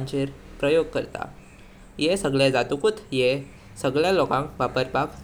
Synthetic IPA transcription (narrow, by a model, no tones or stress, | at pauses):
ɲt͡ɕeɾpɾəjoɡ̚kəɾt̪a̰ | jesəɡɭjad͡zat̪ukut̪je | səɡɭjalokãŋkʋapəɾbak